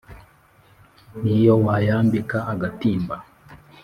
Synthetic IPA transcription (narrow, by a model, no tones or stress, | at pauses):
nijowajaːmbikaaɡatiːmba